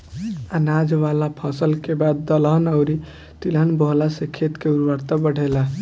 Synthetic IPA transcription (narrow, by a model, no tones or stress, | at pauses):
anad͡ʒʋalapʰɔ̃səlkebad̪̚ːəlnəʊɾi | t̪ilənbəɦlasekʰet̪keuɾwaɾt̪abəɽ̤ʱela